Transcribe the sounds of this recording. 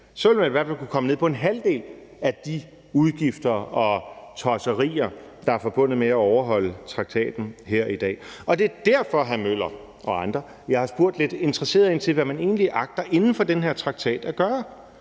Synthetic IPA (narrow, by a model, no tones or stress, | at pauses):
sɒʋe̝lmænʋæɐfælkukʰɒ̽məneð̰ˠpʰɒ̽e̝nɦæld̥e̝̰ːl | æd̥i | uð̞ˠɡ̥ifd̥ɐɒ̽t͡sʰɒsəʁḭːɐd̥ɑ̈æɐfɒ̽b̥ɔ̽n̰ð̩ˠmeæɒʊɐɦɒ̽l̰ət͡sʰʁɑ̈ɡ̥̚t͡sʰɛ̰ːd̥n̩ɦeɐ̰id̥ɛ̰ːɒ̽d̥e̝d̥æɐfɒ̽ɦæmøl̰ɐ | ʔɒ̽ɑ̈nd̥ʁɐ | jɑ̈ɪhɑ̈sb̥o̝ɐ̰d̥le̝d̥e̝nd̥ʁɐse̝̰ːɐðˠe̝nt͡sʰe̝lʋæmæne̝̰ːnliʔɑ̈ɡ̥̚d̥ɐʔe̝nn̩fɒ̽d̥enɦeɐ̰t͡sʰʁɑ̈ɡ̥̚t͡sʰɛ̰ːd̥æɡ̥ɶːɐ